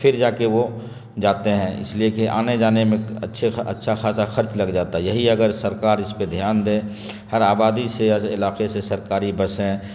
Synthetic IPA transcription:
pʰɪɾd͡ʒaːkeʋo | d͡ʒaːt̪eɦɛ̃ɪ̰sliekiʔa̰ːned͡ʒaːnemẽɐ̰tːʃʰeɐ̰tːʃʰaxaːsaxəɾt͡ʃləɡd͡ʒaːt̪aɛjɐɦiɐɡəɾsəɾkaːɾɪsped̪ʱjaːnd̪ẽː | həɾaːbaːd̪iseɪ̰laːqesesəɾkaːɾibəsɦɛ̃

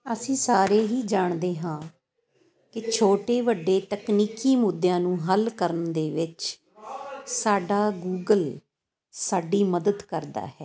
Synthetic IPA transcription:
əsĩːsaːɾeːɦiːd͡ʒaːɳd̪eːɦãː | kɪt͡ʃʰoːʈeːʋəɖːeːt̪əkniːkiːmʊd̪jãːnũːɦəlkəɾəɳd̪eːʋɪt͡ʃ | saːɖaːɡuːɡəl | saːɖiːməd̪əd̪kəɾd̪a̰ːɦɛː

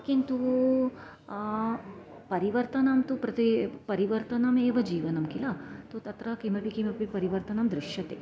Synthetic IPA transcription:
kint̪u | pɐɾiʋɐɾt̪ɐnɐmt̪upɾɐt̪ipɐɾiʋɐɾt̪ɐnɐmeːʋɐd͡ʒiːʋɐnɐmkilɐt̪ut̪ɐt̪ɾɐkimɐpikimɐpipɐɾiʋɐɾt̪ɐnɐmd̪ɾɪʂjɐt̪eː

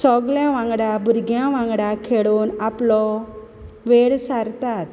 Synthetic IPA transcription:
sɔɡljãʋãŋɡɽãbʱuɾɡʱjãʋãŋɡɽãkʰeɽuːnaplɔ | ʋeɭsaɾt̪at̪

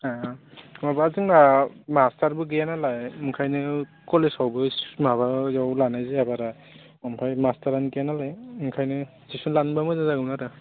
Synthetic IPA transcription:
amabazɯŋnamastaɹbɯɡɯjanalajmɯŋkʰajnɯkɔlesawbɯsmabajawlanajzeabaɾa | ɔmpʰajmastaɾanɡijanalajmɯŋkʰajnɯ | zisunlanbamɯzazaɡɯnaɾɯ

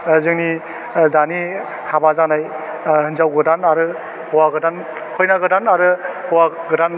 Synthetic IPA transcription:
zɯŋni | dani | habazanaj | hɯnzawɡɯdanaɾɯ | hɔwaɡɯdan | kʰɔjnaɡɯdanaɾɯhɔwaɡɯdan

